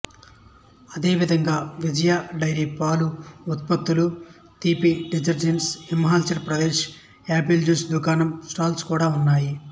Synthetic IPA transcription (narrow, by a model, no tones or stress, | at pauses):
ɐd̪e̞ːʋid̪ʱɐŋɡaːʋid͡ʒɐjaːɖɐjɾipaːluut̪̚pɐt̪ːulu | t̪iːpiɖid͡ʒɐɾd͡ʒɐnsimɐɦaːlt͡ʃɐɾpɾɐd̪eːʃ | aːpild͡ʒusd̪ukaːnɐmsʈaːlskuːɽaːunːaːji